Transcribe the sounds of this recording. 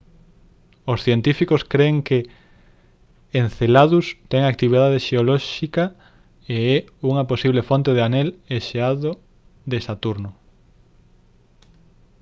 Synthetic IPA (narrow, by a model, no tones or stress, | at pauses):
osθjent̪ifikoskɾeːŋke | enθelaðust̪ɛŋak̚t̪iβ̞iðaðeʃeolɔʃika | eɛuŋɐposiβlefont̪eð̞eaneleʃeaðo | d̪esat̪uɾnʊ